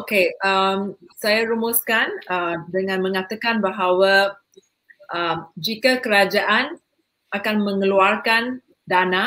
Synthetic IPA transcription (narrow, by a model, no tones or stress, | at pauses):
okeʔəmsajaɾumʊskanədəŋãnmə̃ŋat̪akanbaɦawa | ʔəmd͡ʒikakəɾad͡ʒaʔan | akanmə̃ŋəluarkan | dana